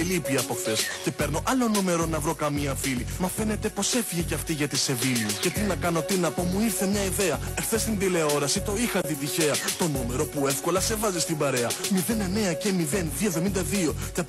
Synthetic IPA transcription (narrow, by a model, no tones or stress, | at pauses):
lipiɐpoxθe̞sce̞pe̞ɾno̞ʔɐlo̞nume̞ɾo̞nɐvɾo̞kɐmiɐfilimɐfe̞ne̞t̪e̞po̞se̞fiʝeceɐft̪iʝɐt̪ise̞vilice̞t̪inɐkɐno̞t̪inɐpo̞muiɾθe̞mɲɐiðe̞ɐexθe̞st̪ind̪ile̞o̞ɾɐsit̪o̞ixɐt̪it̪içe̞ɐt̪o̞nume̞ɾo̞pue̞fko̞lɐse̞vɐzist̪imbɐɾe̞ɐmiðe̞nene̞ɐce̞miðe̞nðiovðo̞mind̪ɐðio̞t̪ɐ